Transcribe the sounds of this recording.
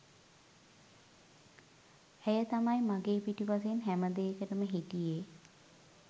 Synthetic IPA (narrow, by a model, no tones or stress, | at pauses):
hæjət̪amajmaɡeːpiʈipas̬einɦæməd̪eːkəʈəməɦiʈije